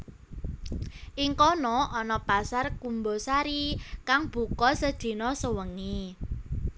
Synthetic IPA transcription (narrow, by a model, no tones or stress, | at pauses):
ʔiŋkɔnɔʔɔnɔpasarkumbɔsaɾikaŋb̥ṳkɔsəd̪̥i̤nɔsəwəŋi